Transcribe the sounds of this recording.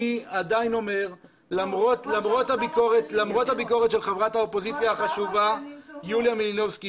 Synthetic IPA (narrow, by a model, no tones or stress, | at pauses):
iad̪aino̞me̞ʁ | lamʁotlamʁot̪habiko̞ʁet̪lamʁo̞t̪habiko̞ʁet̪ʃe̞lχevʁathaopo̞zit͡sjaaχaʃuvajuljamilino̞vski